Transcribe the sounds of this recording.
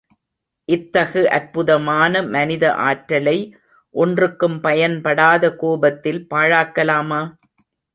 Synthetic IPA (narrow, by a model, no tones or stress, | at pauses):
ʔɪt̪ːɐɣɯʔɐɾpʊðɐmaːnɐmɐnɪðɐ̰ʔaːʈɾɐlɐɪ | ʔɔndrɯkːɯmpɐjɐnpɐɽaːðɐkoːbɐt̪ːɪlpaːɻaːkːɐlaːmaː